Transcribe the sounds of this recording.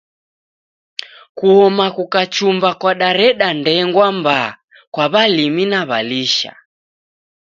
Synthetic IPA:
kuhɔmakukat͡ʃumbakwaɗaɾɛɗandɛŋɡwamba | kwaβaliminaβaliʃa̰

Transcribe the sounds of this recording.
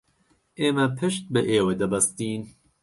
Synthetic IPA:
ʔeːmɐpʰɨʃt̪̚bɨʔeːwɐd̪ɐbɐst̪iːn

